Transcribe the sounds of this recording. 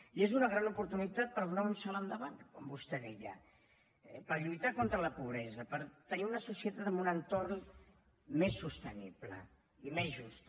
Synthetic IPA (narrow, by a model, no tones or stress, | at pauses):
iezunəɣ̞ɾanupuɾt̪unit̪at̪̚pəɾðunaunsalənd̪əβankɔmbust̪ɛðɛʎə̰ | ɛpəɾʎujt̪akont̪ɾələpuβɾɛzəpəɾt̪əniunəsusiət̪at̪əmbunənt̪orn | mesːust̪əniplə̰ | imezʒust̪